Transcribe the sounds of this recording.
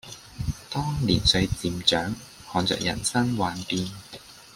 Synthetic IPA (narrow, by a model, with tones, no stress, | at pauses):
t̪ɔː˥ŋlḭː˨˩nsɵ˧ɥt͡siː˨mt͡ʃœː˨˥ŋ | hɔː˨˧nt͡sœ̰ː˧k̚jɐ̰˨˩nsɐ˥nwaː˨˧npiː˧n